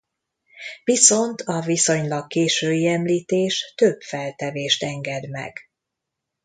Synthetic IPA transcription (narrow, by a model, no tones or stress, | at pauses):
viso̞nt̪ʰɒviso̞ɲlɒkkeːʃøːiɛmliːt̪eːʃt̪øbfɛlt̪ɛveːʃt̪ɛŋɡɛd̪mɛ̰ɡ̥